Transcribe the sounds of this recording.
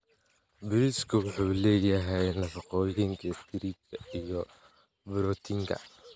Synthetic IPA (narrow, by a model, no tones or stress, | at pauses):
bʊɾiskʰʊwħuːlɛːjɐɦɛjnlɐfɑqɔjɪŋkʰɐst̪ʰɪɾikʰɐijɔ | bɾɔt̪ʰiŋkʰɐ̰